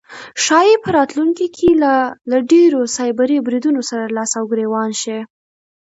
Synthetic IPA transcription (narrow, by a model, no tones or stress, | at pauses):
ʃɑjepəɾɑt̪luŋkikʰelalaɖeɾosɑjbaɾibɾid̪unosaɾalɑsawɡɾewɑnʃi